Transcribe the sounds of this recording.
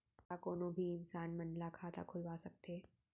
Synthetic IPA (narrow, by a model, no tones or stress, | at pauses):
akoːnõbʱiɪnsaːnmɐnlakʰaːt̪a̰kʰʊlʋasɐk̚t̪eː